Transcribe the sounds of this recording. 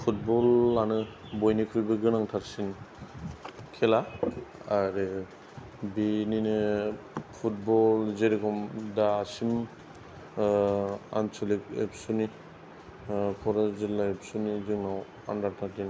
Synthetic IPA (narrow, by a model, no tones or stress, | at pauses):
pʰut̚bɔlːanɯ | bɔjnikʰuɾbɯɡɯnaŋtʰaɾsin | kʰelaaɾɯ | bininɯ | pʰut̚bɔlzeɾiɡʰɔmdaːsim | a̰nsʰolik̚ḛpsuni | kʰɔɾazilːaep̚sunizɯŋnaw | a̰ndaɾtʰaɾtin